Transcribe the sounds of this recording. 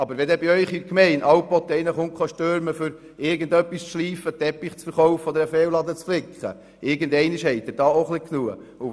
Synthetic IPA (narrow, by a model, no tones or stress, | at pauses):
ɑbəɾʋɛd̪ɛbɪœʏχiɾkmɛɪnʔɑwpɔt̪ːəɪnəχʊŋkχɑʃtøːɾməføɾ | ɪɾɡəndœpːist͡sʃliːfət̪ɛpːiχt͡sfəɾχɔwfəɔd̪əɾəfeːwlɑd̪ət͡sflɪkχə̰ | ʔɪɾɡəndɛɪnɪʃhɛɪt̪əd̥ɑːoχliknuəʊ